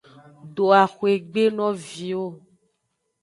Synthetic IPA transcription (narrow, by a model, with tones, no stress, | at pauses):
ɖo˨a˨xwe˨ɡ͡be˦nɔ̃˦vi˨o˦